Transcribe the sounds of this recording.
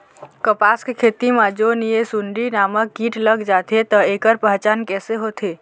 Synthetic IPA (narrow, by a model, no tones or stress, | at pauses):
kəpaskkʰeːt̪imãd͡ʒonijesuɳɖinamək̚ɡiːʈləɡd͡ʒat̪ʰet̪əeːkəɾpəɦt͡ʃaːnkɛːseɦot̪ʰe